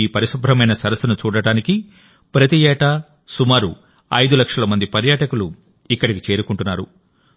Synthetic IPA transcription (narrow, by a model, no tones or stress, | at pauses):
iːpɐɾisubʱɾɐmɐjnɐsɐɾɐsɐnut͡ʃuːɽɐɽaːniki | pɾɐt̪iɛːʈɐ | sumaːɾu | ɐ̰jd̪ulɐkʂɐlɐmɐnd̪ipɐɾjaːʈɐkulu | ikːɐɽikit͡ʃe̞ːɾukuɳʈunːaːɾṵ